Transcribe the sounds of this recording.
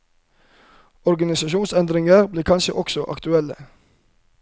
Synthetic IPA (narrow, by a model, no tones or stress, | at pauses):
ɔɾɡɑnɪsɑʃuːnsɛnd̪ɾɪŋəɾbliːkʰɑnʃə̰ʔɔksɔʔɑ̰kt̪ʉɛlə̰